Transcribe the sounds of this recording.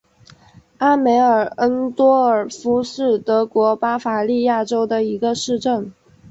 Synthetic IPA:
a˥me˧˥ɪə˞˨˩ə˥nt̪wɔ˥ə˞˨˩fu˧˥ʂɻ̩˥˩t̪ɤ˧˥kwɔ˧˥pa˥fa˨˩li˥˧ja˥˩ʈ͡ʂo˥ʊd̪ə˨i˧˥ɡə˧ʂɻ̩˥˧ʈ͡ʂə˥˩n

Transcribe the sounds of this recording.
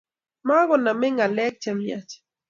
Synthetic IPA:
ma˦ɣɔ˨na˨mɛ˦ŋa˨lɛ˦k̚t͡ʃɛ˨mja̰˨t͡ʃ

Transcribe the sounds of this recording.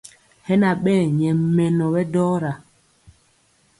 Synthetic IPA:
hɛ˦na˨ɓɛː˦˨ɲɛ˨m˦mɛ˨nɔ˨bɛ˦dɔː˦ɾa˨

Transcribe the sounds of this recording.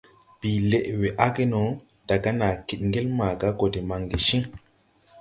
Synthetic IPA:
b̥i˨le˨ʔwe˨ʔa˦ɡe˦no˨˦ | d̥a˨ɡa˦na˨ki˨ɗ̚ŋɡe˦lma˨ɡa˦ɡo˨de˨ma˨ŋɡi˨ʃi˦ŋ

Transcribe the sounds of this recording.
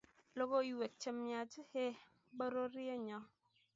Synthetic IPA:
lo˦ɡo˦i˨we˨k̚t͡ʃə˦mːja˨d͡ʒhe˦ | bə˦ɾo˦ɾi˦e˦ɲɔ˦

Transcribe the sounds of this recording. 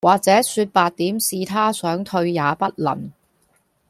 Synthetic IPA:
waː˨k̚t͡sɛː˨˥syː˧t̚paː˨˧t̚t̪iː˨˥msiː˧t̪ʰaː˥sœː˨˥ŋt̪ʰɵ˧ɥjaː˨˧pɐ˥t̚lɐ̰˨˩n

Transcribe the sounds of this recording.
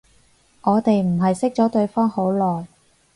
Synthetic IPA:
ŋɔː˨˧t̪e˨jm̩˨˩ɦɐ˨jsɪ˥k̚t͡sɔː˨˥t̪ɵ˧ɥfɔː˥ŋho˨˥wlɔː˨j

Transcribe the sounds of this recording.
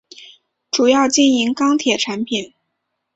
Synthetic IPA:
ʈ͡ʂu˨˩jɑ˥˧ʊt͡ɕjɛ˥˩ni˧˥ŋkɑ˥ŋt̪ʰjɛ˨˩ʈ͡ʂʰa˧˥npʰi˨˩˦n

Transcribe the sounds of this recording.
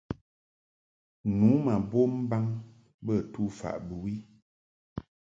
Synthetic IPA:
nu˨˦ma˨bo˦m̩˦ba˦ŋ | bə˦˨tu˦fa̰˨ʔbə˨wi˦

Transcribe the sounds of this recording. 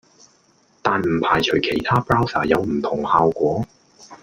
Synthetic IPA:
t̪aː˨˧nm̩˨˩pʰaː˨˩jt͡ʃʰɵ˨˩kʰe˨˩jt̪ʰaː˥pɹaː˥wsa̰ː˨˩jɐ˨˧wm̩˨˩t̪ʰʊ˨˩ŋhaː˨wkʷɔː˨˥

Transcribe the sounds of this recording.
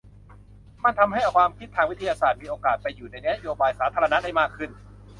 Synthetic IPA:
ma˧˥˩nt̪ʰa˧mɦa˥˩ja˧˩kʰwaː˧mkʰi˦˥t̪ʰːaː˧ŋwi˦˥t̪ʰa˧jaː˧saː˨˩t̪̚miː˧ʔoː˧kaː˨˩t̪̚pa˧jːuː˨˩na˧jna˦˥joː˧baː˧jsaː˩˦t̪ʰaː˧ɾa˧na˦˥da˥˩jmaː˥˩kʰːɯ˥˩n

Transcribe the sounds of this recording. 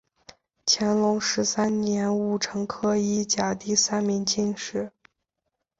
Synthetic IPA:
t͡ɕʰjɛ˧˥nlʊ˧˥ŋʂɻ̩˧˥sa˥nnjɛ˧˥nu˥˩ʈ͡ʂʰɤ˧˥ŋkʰɤ˥i˥˩t͡ɕja˨˩t̪i˥˩sa˥nmi˧˥ŋt͡ɕi˥˧nʂɻ̩˥˩

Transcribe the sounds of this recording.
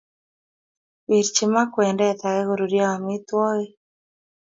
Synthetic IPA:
wi˨ɾt͡ʃi˨ma˦kwɛ˨ndɛ˦t̪a˨ɣɛ˦ɣo˨ɾu˨ɾja˦a˨mɪ˦t̪wɔ˦ɣe˦

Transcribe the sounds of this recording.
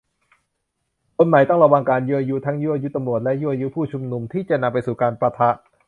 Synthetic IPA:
kʰo˧nma˨˩˦jt̪ɔ˥˩ŋɾa˧waː˧ŋkaː˧nju˦˥ʔa˧ju˦˥t̪ʰa˦˥ŋju˦˥ʔa˧ju˦˥t̪a˧mɾu˨˩ət̪̚lɛ˦˥ʔju˦˥˩ʔa˧ju˦˥pʰuː˥˩t͡ɕʰu˧mnu˧mt̪ʰiː˥˩t͡ɕa˨˩na˧mpa˧jsuː˨˩kaː˧npɾa˧t̪ʰa˦˥ʔ

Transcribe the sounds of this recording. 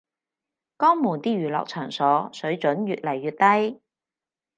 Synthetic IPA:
kɔː˥ŋmuː˨˩nt̪iː˥jyː˨˩lɔ̰ː˨k̚t͡ʃʰœː˨˩ŋsɔː˨˥sɵ˨˥ɥt͡ʃɵ˨˥nɥyː˨t̚lɐ˨˩jːyː˨˧t̚t̪ɐ˥j

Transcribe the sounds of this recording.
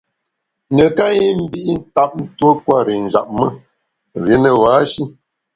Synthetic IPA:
nə˨ka˦ji˦m̩˦bi˦ʔi˦n̩˦ta˦p̚n̩˦two˦kwa˦ɾi˨n̩˨d͡ʒa̰˨ʔ̚mə˦ | ɾje˨˦nə˨waː˨˦ʃi˦

